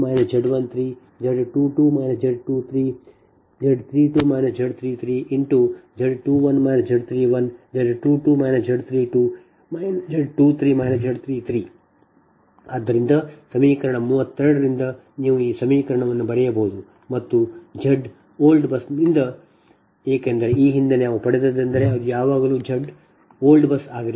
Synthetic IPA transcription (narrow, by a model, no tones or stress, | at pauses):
maːjnɐd͡ʒeɖʋɐnt̪ʰɾiː | d͡ʒeɖʈuːʈuːmɐːjnɐsd͡ʒeɖ̚ʈuːt̪ʰɾiː | d͡ʒeɖt̪ʰɾiːʈuːmɐjnɐsd͡ʒeɖt̪ʰɾiːt̪ʰɾiːʔiɳʈud͡ʒeɖʈuːʋɐnmajnɐsd͡ʒeɖt̪ʰɾiːʋɐnd͡ʒeɖʈuːʈuːmɐjnɐsd͡ʒeɖt̪ʰɾiːʈuː | majnɐd͡ʒeɖʈuːt̪ʰɾiːmaːjnɐsd͡ʒeɖt̪ʰɾiːt̪ʰɾiː | ɐd̪ːɐɾind̪ɐsɐmiːkɐɾɐɳɐmuːʋɐt̪ːeɾɐɽɐɾind̪ɐ | niːʋuiːsɐmiːkɐɾɐɳɐʋɐnːubɐɽɛjɐbɐɦud̪u | mɐt̪ːud͡ʒɐɖ | oːlɖbɐsind̪ɐ | eːkeːnd̪ɐɾe̞iːɦind̪enaːʋupɐɽed̪ɐd̪ɐnd̪ɐɾe̞ɐd̪ujaːʋaːɡɐluːd͡ʒɐɖ | oːlɖbɐsaːɡɐɾ